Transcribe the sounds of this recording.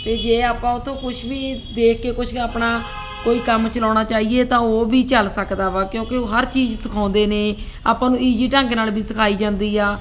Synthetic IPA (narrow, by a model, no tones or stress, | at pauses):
t̪eːd͡ʒeːaːpãːʊt̪ʰːõːkʊʃʰbiːd̪eːkʰkeːkʊʃʰəːpnaː | koːiːkəmt͡ʃəlɔːɽ̃aːt͡ʃaːiːeːt̪ãːoːbʱiːt͡ʃəlsəkd̪aːʋaːkjõːkeoːɦəɾt͡ʃiːd͡ʒsəkʰaːnd̪eːneː | aːpãːnũːiːd͡ʒiːʈãːŋknaːlbʱiːsəkʰaːiːd͡ʒãːnd̪iːaː